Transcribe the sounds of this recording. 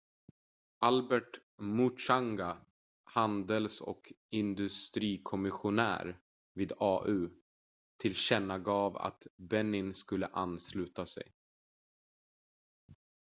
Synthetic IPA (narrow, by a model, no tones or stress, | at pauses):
ʔalbɛʈmʊʂaŋɡa | hand̪əlsɔ̰k | ɪnd̪ɵst̪ɾiːkʰɔmɪɧʊnæ̰ːɾ | viːd̪ɑːʔʉ̟ː | t̪ʰɪlɕɛnːaɡɑːva̰t̪bɛnːɪnskɵlːəʔanːslʉ̟ːt̪asɛ̰j